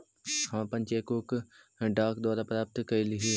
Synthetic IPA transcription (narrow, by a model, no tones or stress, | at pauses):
hãːpɐ̃ɲt͡ʃeːkok | ɖaːk̚d̪waːɾapɾaːp̚t̪kɐilɪɦi